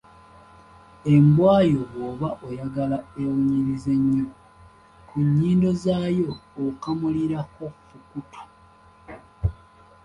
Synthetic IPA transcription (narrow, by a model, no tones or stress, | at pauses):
e̞mbwaːjo̞ɡoːβaʔojaɡalae̞wuɲiɾize̞ɲːu | kuɲːiːndo̞zaːjo̞ːkamuliɾakofukutʰo̥